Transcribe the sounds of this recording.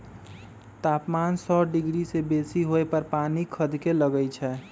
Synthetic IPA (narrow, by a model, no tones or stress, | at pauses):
t̪aːpmansɔɖɪɡɾisebesiɦoepəɾpaːnikʰəd̪ʱkeləɡəjt͡ʃʰɛː